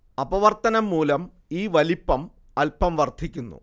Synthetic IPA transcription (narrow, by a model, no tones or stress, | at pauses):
ɐbɐʋɐrt̪ɐnɐmːuːlɐm | iːʋɐlipːɐm | ɐlpɐmʋɐrd̪ʱikʲːunːṵ